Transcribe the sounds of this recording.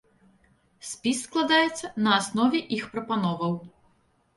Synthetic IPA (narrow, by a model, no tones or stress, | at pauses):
sʲpʲisːklˠad̪ajɛt̪sːɐnɐːsnɔvʲɛʔixpɾɐpanɔvɐw